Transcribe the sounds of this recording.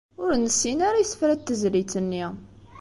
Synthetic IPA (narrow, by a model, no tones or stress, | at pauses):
ʊɾnəsːinaɾajsfɾæt̪ːəzlit͡sːənːi